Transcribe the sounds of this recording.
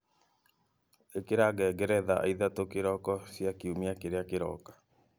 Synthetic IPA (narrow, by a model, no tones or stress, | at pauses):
ekeɾaɡɛɡɛɾɛðaʔa̰iðatokeɾɔkɔsjakiumiakeɾeakeɾɔ̰kḁ